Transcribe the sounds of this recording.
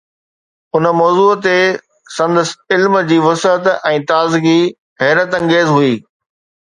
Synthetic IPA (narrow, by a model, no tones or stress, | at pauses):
ʊnə̆mɔːzuːt̪e | sɐ̃nd̪əsɪlmd͡ʑiːʋɐsət̪ɛ̃ːt̪aːzɪɡi | ɦɛɦɾət̪ɐ̃ŋɡeːzɦuiː